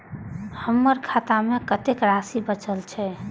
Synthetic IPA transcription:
həmːəɾkʰat̪amekət̪ekɾasibət͡ʃəlt͡ʃʰɛ

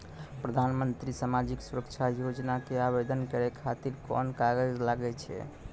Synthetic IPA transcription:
pɾəd̪ʱanmənt̪ɾisamad͡ʒiksuɾəkt͡ʃʰajod͡ʒnakeabed̪ʱənkəɾɛkʰat̪iɾkɔ̰nkaɡəd͡ʒlaɡɛt͡ʃʰɛ̰

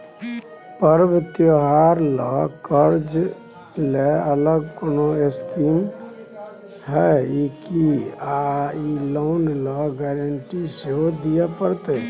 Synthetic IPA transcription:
pəɾbt̪joɦaɾlɔkəɾd͡ʒ | leələɡ̚koːnoeskim | ɦɛikiailoːnlɔɡɛɾəɳʈiseɦod̪ijapəɾt̪e

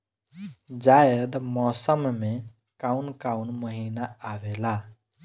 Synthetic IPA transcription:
d͡ʒajəd̪mɔsəmmẽ | kaunkaunməɦinaːʋela

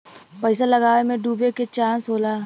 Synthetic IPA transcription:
pəɪsalɐɡaːʋemẽɖuːbeket͡ʃãːnsɦoːlaː

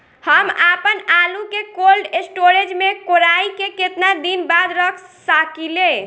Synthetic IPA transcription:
həmapənalukekolɖesʈoɾed͡ʒmekoɾaikeket̪nad̪inbad̪ɾəkʰsakilẽ

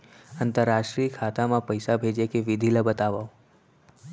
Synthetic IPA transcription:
ənt̪əɾːaʃʈɾikʰat̪amãpəjsabʱed͡ʒekeʋɪd̪ʱiləbət̪aʋa

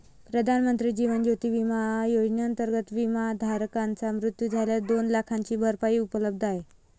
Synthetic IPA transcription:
pɾəd̪ʱanmənt̪ɾiːd͡ʑiʋənd͡ʑot̪iːʋimajod͡ʑnəənt̪əɾɡət̪ʋimad̪ʱaɾkant͡samɾut̪jud͡zʱaljad̪onlakʰaɲt͡ɕiːbʱəɾpaiːupələb̚d̪ʱaɦe

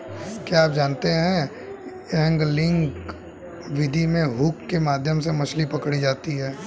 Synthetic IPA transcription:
kjaːp̚d͡ʒaːnt̪eɦɛ̃ | ɛ̃ːŋɡlɪ̃ŋk | ʋɪd̪ʱimẽɦuːkːemaːd̪ʱjəmsemɐslipɐkɽid͡ʒaːt̪iɦɛː

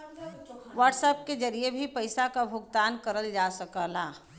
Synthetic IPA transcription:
ʋəɾʈsəp̚ked͡ʒɐɾiebʱipɐɪsakabʱʊɡt̪aːnkəɾəld͡ʒaːsɐkəlaː

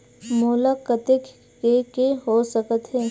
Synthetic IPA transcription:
mulakət̪ɪk | kekeɦosəkət̪ɦɛː

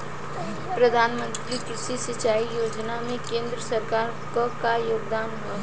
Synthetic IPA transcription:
pɾəd̪ʱaːnmə̃nt̪ɾikɾɪʃisɪt͡ʃaːijoːd͡ʒnamẽkẽːnd̪ɾəsəɾkaːɾ | kəkajoːɡ̚d̪aːn | ə

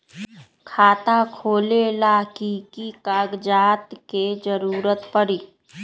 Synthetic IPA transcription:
kʰaːt̪akʰoːlelaːkikikaːɡd͡ʒaːt̪ked͡ʒəɾuːɾət̪pəɽiː

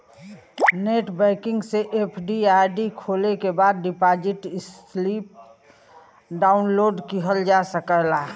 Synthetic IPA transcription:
neːʈbəɪkɪ̃ŋɡseʔepʰɖiaːɾɖikʰolekebaːd̪̚ɖɪpad͡ʒɪʈɪs | lip̚ | ɖaːʊnloːɖkiɦəld͡ʒasəkəɦla

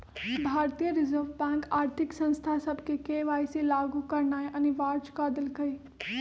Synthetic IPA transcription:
bʱaːɾt̪ijəɾɪzəɾʋbɛ̃ːŋkaːɾt̪ʰɪksɐ̃nst̪ʰasəbʱkekeʋaːiselaːɡukɐɾnaːjʔɐniʋaːɾt͡ʃkaːd̪ɪlkɐi

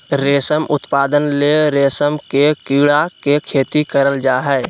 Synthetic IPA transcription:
ɾeːsəmʊt̪paːd̪ənleɾeːsəmkekiɽakekʰeːt̪ikəɾəld͡ʒaːɦɛɪ

